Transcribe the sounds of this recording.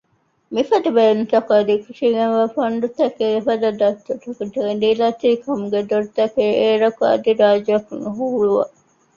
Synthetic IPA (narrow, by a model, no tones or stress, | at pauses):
mifɐd̪ɐbeːnut̪ɐkɐd̪ikuʃiɡenʋɐfɐnd̪ut̪ɐkefɐd̪ɐd̪ɐt̪ːot̪ɐkud̪iɡend̪ilɐt̪iːkʰɐmuɡed̪oɾt̪ɐkeːeːɾɐkuɐ̰d̪iɾaːd͡ʒɐkunuɦuːɾuʋɐ̰